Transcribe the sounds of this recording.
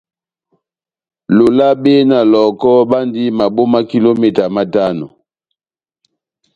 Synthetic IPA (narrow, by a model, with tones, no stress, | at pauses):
lo˨la˦be˦na˨lɔ˨kɔ˦ba˦ndi˦ma˨bo˦ma˦ki˦lo˦mɛ˦ta˨ma˦ta˦nɔ̰˨